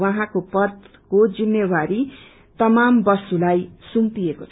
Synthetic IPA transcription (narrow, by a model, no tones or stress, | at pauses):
waɦãkopʌt̪ | kod͡zinːewaɾi | t̪ʌmambʌsulajsumpijekot͡sʰ